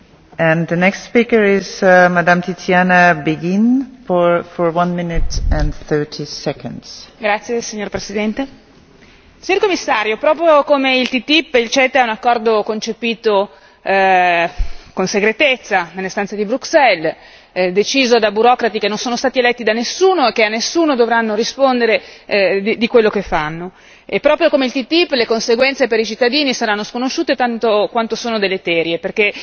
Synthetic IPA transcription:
ɛ̃nðənɛkstspikə˞ɪzmad̪ãmt̪isjanabeɡĩnfɔfɔɹwãnmɪ̃nɪtɛ̃nθɜ˞tʰisɛkə̃ndz̥ɡɾat̪sːjesiɲːorpɾesid̪ɛnt̪e | siɲorkomːisːaːɾjopɾɔːpɾjokomeilt̪it̪ipːilt͡ʃɛt̪aunakːɔrd̪okont͡ʃepiːt̪o | konseɡɾet̪et̪sːanelːest̪ant̪sed̪ibɾuksɛl | d̪et͡ʃiːzod̪abuɾɔkɾat̪ikenːonsoːnost̪aːt̪ielɛt̪ːid̪anesːuːnoek̟eanːesːuːnod̪ovɾanːoɾispond̪eɾed̪id̪ikwelːokefːanːo | epːɾɔːpɾjokomeilt̪it̪ipːlekonseɡwɛnt̪sepeɾit͡ʃit̪ːad̪iːnisaɾanːoskonoʃːuːt̪et̪ant̪okwant̪osoːnod̪elːet̪ɛːɾjeperk̟e

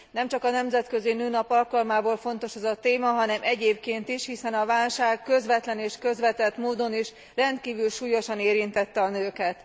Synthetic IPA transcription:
nɛmt͡ʃɒkɒnɛmzɛt̪kø̞zinøːnɒpɒlkɒlmaːboːlfo̞nt̪o̞ʃɛzɒt̪eːmɒɦɒnɛmʔɛɟeːp̚keːnt̪iʃhisɛnɒvaːlʃaːkːøzʋɛt̪lɛneːʃkø̞zʋɛt̪ɛt̪moːd̪o̞niʃ | rɛnt̪̚kiːvylʃuːjo̞ʃɒneːɾint̪ɛt̪ːɛɒnøːkɛt̪

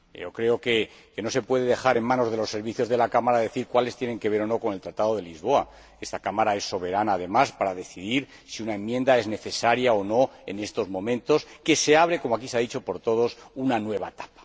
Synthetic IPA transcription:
okɾe̞o̞ke | ke̞no̞se̞pwe̞ð̞e̞ðe̞xaɾe̞nmãno̞zðe̞lo̞sːe̞ɾβ̞iθjozðe̞lakamaɾaðe̞θiɾkwale̞st̪je̞ne̞ŋke̞β̞e̞ɾo̞no̞ko̞ne̞lt̪ɾat̪að̞o̞ðe̞lizβo̞a | est̪akamaɾae̞sːo̞β̞e̞ɾanaːðe̞maspaɾaðe̞θiðiɾ | siunae̞mːje̞nd̪ae̞zne̞θe̞saɾjaono̞e̞̰ne̞st̪o̞zmõ̞mẽnt̪o̞ske̞se̞aβɾe̞ko̞moakiseaðit͡ʃo̞po̞ɾt̪o̞ð̞o̞sunanwe̞βa̰et̪ḁpḁ

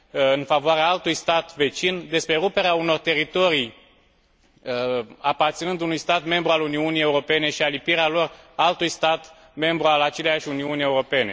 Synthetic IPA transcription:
ɨnfavoaɾeaalt̪ujst̪at̪ve̞t͡ʃind̪e̞spɾe̞ɾupe̞ɾeauno̞rt̪e̞ɾit̪o̞ɾij | apart̪sinɨnd̪unujst̪at̪me̞mbɾualuniunije̞uɾo̞pe̞ne̞ʃialipiɾealo̞ralt̪ujst̪at̪ | me̞mbɾualat͡ʃe̞lejaʃʲuniunie̞uɾo̞pe̞ne̞

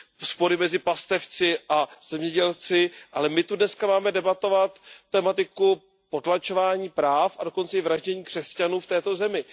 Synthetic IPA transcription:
spo̞ɾɪmɛzɪpast̪ɛft͡sɪʔaz̥ɛmɲɛɟɛlt͡sɪʔalɛmɪt̪udnɛskamaːmɛdɛbat̪o̞vat̪ːɛmat̪ɪku | pot̪lat͡ʃo̞vaːɲiːpɾaːfado̞ko̞nt͡sɛɪvɾaʒɟɛɲiːkr̥ɛscanuːft̪ɛːt̪o̞zɛmɪ

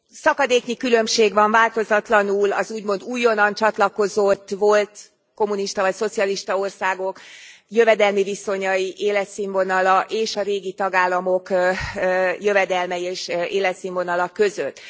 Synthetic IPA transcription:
sɒkɒd̪eːkɲikylø̞mʃeːɡʋɒɱvaːlt̪o̞zɒt̪lɒnuːlɒzuːɟmo̞nd̪uːjːonɒnt͡ʃɒt̪lɒko̞zot̪ːʋo̞lt̪ | ko̞muniʃt̪ɒvɒcso̞t̪sijɒliʃt̪ɒo̞rsaːɡo̞kjøvɛd̪ɛlmiviso̞ɲɒjiʔeːlɛt̪siɱvo̞nɒlɒʔeːʃɒɾeːɡit̪ɒɡaːlːɒmo̞k | jø̞vɛd̪ɛlmɛieːʃʔeːlɛt̪siɱvonɒlɒkøzøt̪ː

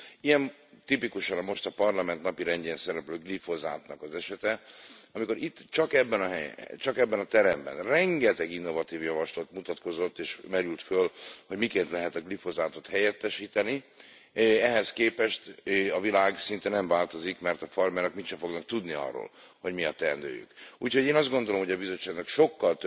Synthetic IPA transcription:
ijɛmt̪ipikuʃɒnɒmo̞ʃt̪ɒpɒrlɒmɛnt̪nɒpiɾɛɲɟeːnsɛɾɛpløːɡlifo̞za̰ːt̪nɒkɒzɛʃɛt̪ɛɒmiko̞ɾit̪ːt͡ʃɒkɛbːɛnɒɦɛt͡ʃɒkɛbːɛnɒt̪ɛɾɛmbɛ̰nrɛŋɡɛt̪ɛɡinːo̞vɒt̪iːvjɒvɒʃlot̪mut̪ɒt̪ko̞zo̞t̪ːeːʃmɛɾylt̪følho̞ɟmikeːnt̪lɛɦɛt̪ɒɡlifo̞zaːt̪o̞t̪hɛjɛt̪ːɛʃiːt̪ɛni | ɛɦɛskeːpɛʃt̪ɒvilaːɡsint̪ɛnɛɱvaːlt̪o̞zikmɛrt̪ɒfɒrmɛnɒkmit̪ʃɛfo̞ɡnɒk̚t̪ud̪niɒ̰rːo̰ːlho̞ɟmiɒt̪ːɛnd̪ø̰ːjy̰kuːchoɟeːnɒzd̪ɡond̪o̞lomɦo̞ɟɒbizo̞t͡ʃːaːɡnɒkʃo̞kːɒlt̪

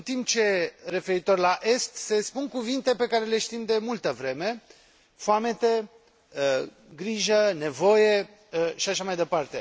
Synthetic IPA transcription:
ɨnt̪imp̚t͡ʃe̞re̞fe̞ɾit̪o̞rʲlaʔe̞st̪se̞spunkuvint̪epe̞kaɾe̞le̞ʃt̪imd̪e̞mult̪əvɾe̞me̞ | foame̞t̪e | ə | ɡɾiʒəne̞vo̞je | ʃiaʃamajd̪e̞part̪e̞

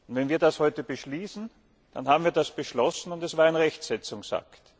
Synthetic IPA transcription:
ʊntvɛnviːɐdashɔʏtəbəʃliːsn̩ | d̥a̰nɦaːbm̩viːɐdasb̥əʃlɔsn̩ʊntɛsv̥aːɐaɪnʁɛçtsɛt͡sʊŋsa̰kt

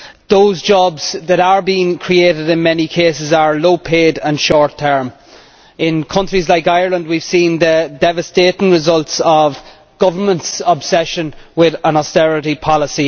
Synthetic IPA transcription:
ðoʊzd͡ʒɔbz̥ðəɾə˞biɪ̃ŋkʰɹ̥ieːɾɪdɪ̃nmɛnikʰeːsɪzə˞loʊpʰeːdə̃nʃɔːɹt̪ʰɜ˞m | ɪ̃nkʰʌ̃nt͡ʃɹ̥izlaɪkaɪə˞lə̃nd̚wiv̥sĩnðədɛvəsteːɾɪ̃ŋɹɪzʌlˠtsəv | ɡ̥ʌvə˞mə̃ntsəbsɛʃə̃nwɪðə̃nɔstɛɹɪɾipʰɑlɪsi

